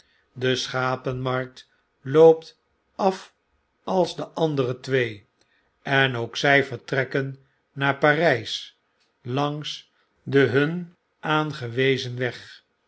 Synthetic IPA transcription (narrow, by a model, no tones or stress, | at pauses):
dəsχaːpənmɑɹk̚t | lowpt | ɑf | ɑlˠzdəʔɑndərətʋej | ɛnowksɛjfəɹtrɛkənː | aːɹpaːrɛjs | lɑŋs | dəɦɵn | ʔaːnχəʋejzənʋɛχ